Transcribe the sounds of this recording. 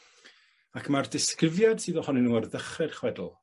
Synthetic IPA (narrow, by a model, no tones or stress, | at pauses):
akʰmardɪskrɪvjad̥sɨːðɔhɔnɪnuːarðəχɛrχwɛdl̩ˠ